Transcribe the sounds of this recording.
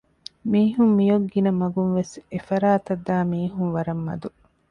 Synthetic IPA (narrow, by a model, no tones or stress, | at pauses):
miːɦumːijoɡːinɐmɐɡunʋesefɐɾaːt̪ɐd̪ːaːmiːɦuŋʋɐɾɐmːɐ̰d̪u